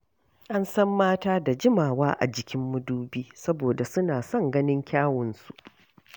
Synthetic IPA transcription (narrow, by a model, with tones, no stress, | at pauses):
ʔa˦nsɐ˦mːaː˦taː˦da˨d͡ʒɪ˦maː˨waː˦ʔa̰˨d͡ʒɪ˨kʲɪ˦mːʊ˦duː˦biː˦sɐ˦boː˨da˨sʊ˦naː˨sɔ˦ŋɡɐ˦nɪ˦ŋkʲaː˦wɔ˨nsu˦ʔ